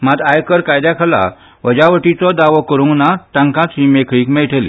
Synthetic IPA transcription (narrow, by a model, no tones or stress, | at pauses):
mat̪ajkəɾkajd̪jakʰala̰ | ʋəd͡ʑaʋəʈit͡sɔd̪aʋɔkəɾuŋnat̪ãŋkãt͡simekʰɭiːkmejʈʰelḭ